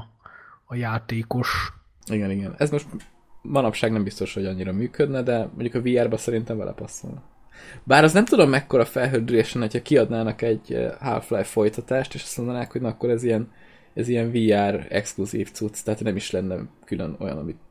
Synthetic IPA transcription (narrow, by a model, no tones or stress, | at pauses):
ɒjaːt̪eːkoʃ | iɡɛniɡɛnɛzmo̞ʃt̪ | mɒnɒpʃaːɡnɛmbist̪oʃho̞ɟɒɲːiɾɒmyːkød̪nɛd̪ɛmo̰ɲɟukɒviːaːrbɛsɛɾint̪ɛɱbɛ̰lʔɛ̰pɒso̰ln | baːɾɒznɛmt̪ud̪o̞mːɛkːo̞ɾɒfɛlɦøld̪yɾeːʃɛnho̞chɒkiɒd̪naːnɒkɛɟha̰lflɛjfo̞jt̪ɒt̪aːʃt̪eːʃɒ̥st̪mond̪ɒnaːkho̞ɟnɒkːo̞ɾɛzijɛn | ɛzijɛɱviːaːrɛ̰kskluzḭːft̪sut̪st̪ɛɦat̪nɛmiʃlɛnːɛ̰kylø̰no̞̰jɒ̰nɒ̰mit̪